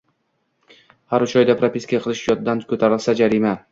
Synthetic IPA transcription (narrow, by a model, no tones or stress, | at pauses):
haɾʊt͡ʃʰɒjd̪apʰɾapʰʲɪskʲiaqʰɨlˠɪʃjɒt̪d̪ankʰɵt̪ʰaɾɪlsad͡ʒaɾima